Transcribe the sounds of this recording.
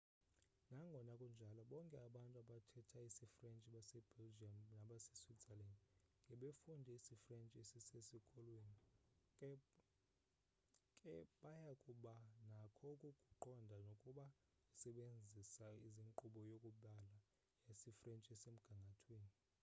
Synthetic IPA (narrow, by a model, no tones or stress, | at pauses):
naŋɡʱɔnakʼund͡ʒʱalɔɓɔŋkʼɛaɓantʼuaɓatʰɛtʰaisifrɛnt͡ʃʼiɓasɛb̥ɛld͡ʒiamnaɓase̥switalɛndŋɡʱɛɓefundʱɛisifrɛnt͡ʃʼɛsesesikʼɔlweːni | kʼɛɓajakʼuɓanakʰɔkʼukʼuǃɔndʱanokʼuɓa | isɛɓend͡zʱisaiziŋǃuɓɔjokʼuɓala | esifrɛnt͡ʃʼɛsem̩ɡ̥ʱaŋɡʱatʰweːni